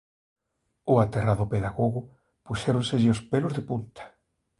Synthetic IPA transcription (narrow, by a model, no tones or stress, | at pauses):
ʊat̪eraðʊpeðaɣoɣʊ | puʃɛɾonseʎɪʊspelʊzðepunt̪ḁ